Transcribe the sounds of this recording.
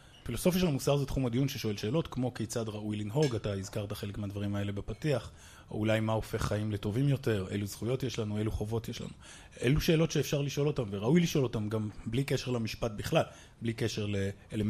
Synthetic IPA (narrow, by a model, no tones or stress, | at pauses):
filo̞so̞fjaʃelamusaʁzetχumadijunʃeʃo̞e̞lʃe̞ːlo̞tkmo̞kejt͡sadʁaʔujlinɦo̞ɡataizkaʁtaχe̞lekmeadvaʁimae̞le̞bepatiaχ | o̰ulajmao̞fe̞χːaimle̞to̞vimjo̞te̞ʁḛluz̥χujo̞tje̞ʃlanue̞luχo̞vo̞tjeʃla̰nu | e̞luʃe̞ːlo̞tʃeːfʃaʁliʃo̞lo̞tamveʁaujliʃo̞lo̞tamɡamblike̞ʃe̞ʁlamiʃpat̚biχlal | blike̞ʃe̞ʁle̞ː | le